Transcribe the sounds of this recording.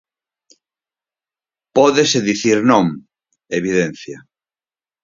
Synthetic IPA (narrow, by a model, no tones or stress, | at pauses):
pɔðeseðiθiɾnõŋ | eβiðen̟θja